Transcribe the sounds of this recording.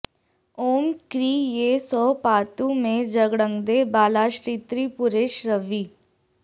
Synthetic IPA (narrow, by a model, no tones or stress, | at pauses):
oːmkɾiːjesɔːpaːt̪ũmẽd͡ʒəɡɽə̃ŋɡd̪ebaːlaːʃɾiːt̪ɾipʊɾeːʃɾəʋiː